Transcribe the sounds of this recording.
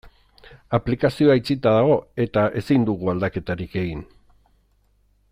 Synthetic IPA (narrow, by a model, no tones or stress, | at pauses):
aplikasio̞ajt͡sit̪aðaɣ̞o̞e̞t̪aʔe̞sind̪uɣ̞uald̪ake̞t̪aɾike̞ɣin